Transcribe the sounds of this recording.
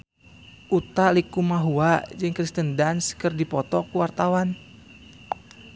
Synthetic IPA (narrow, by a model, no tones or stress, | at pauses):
ʔut̪alikumaɦuad͡ʒɨŋkɾist̪əndanskɨrdipɔt̪ɔkuwart̪awan